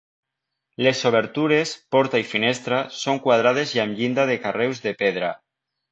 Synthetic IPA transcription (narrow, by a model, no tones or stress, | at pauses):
lesoβ̞eɾt̪uɾespɔɾt̪aifinest̪ɾasoŋkwað̞ɾað̞ezjamʎind̪að̞ekarewzðepeðɾa